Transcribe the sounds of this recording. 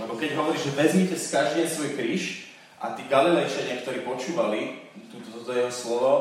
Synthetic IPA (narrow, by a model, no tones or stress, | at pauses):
lɛbɔkɛɟɦɔʋɔɾiːʒʒɛʋɛzmicɛskaʒd̪ɛsʋɔjpɾiʃ | ʔa̰t̪iːɡalilɛjʃaɲɪakt̪ɔɾiːpɔt͡ʃuːʋali | t̪ut̪ɔt̪ɔt̪ɔjɛɦɔslɔʋɔ